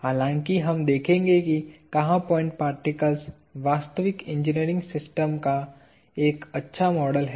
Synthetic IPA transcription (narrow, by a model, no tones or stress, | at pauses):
haːlãːŋkiɦɐmd̪eːkʰẽːŋɡekikɐɦãpɔ̃ːɪ̃ɳʈ̚paːɾʈɪkəls | ʋaːst̪əʋɪkɪ̃ɲd͡ʒɪniːɾɪ̃ŋɡsɪsʈəmka | eːkɐtːʃʰamɔːɖəlɦɛ